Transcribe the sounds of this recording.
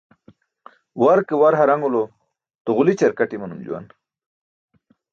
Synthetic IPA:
waɾkewaɾɦaɾaŋulo | t̪oɣʊlit͡ɕaɾkaʈimɐnumd͡ʑṵwa̰n

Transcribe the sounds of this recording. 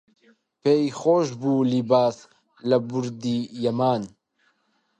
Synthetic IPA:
pejxoːʃbuːlibaːs | ləbuɾd̪iːjɛmaːn

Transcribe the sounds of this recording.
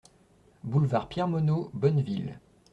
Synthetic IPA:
bulvaʁpjɛʁmɔnobɔnvil

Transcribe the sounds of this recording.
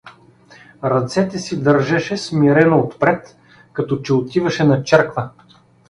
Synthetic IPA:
ɾɐt̪sɛt̪ɛsid̪ɐɾʒɛʃɛsmiɾɛnoːt̪pɾɛt̪ | kɐt̪ɔt͡ʃɛot̪ivɐʃɛnɐt͡ʃɛɾkvə

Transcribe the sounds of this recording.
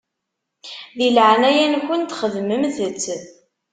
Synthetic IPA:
ðilʕnæjænkʷənt̪χəðməmθət͡sː

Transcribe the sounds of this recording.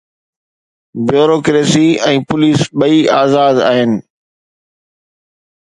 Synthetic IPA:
bjoːɾoːkɾeːsiɛ̃ːpʊliːsɓɐiaːzaːd̪a̰ːɦɪnɪ̆

